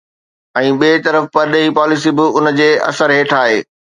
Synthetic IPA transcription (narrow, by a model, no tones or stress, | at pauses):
ɛ̃ːɓiːt̪ɐɾəfpɐɾɗeɦiːpɔːlɪs̬ibɪʊnd͡ʑeːʔɐ̰səɾɦeːʈʰaːɦeː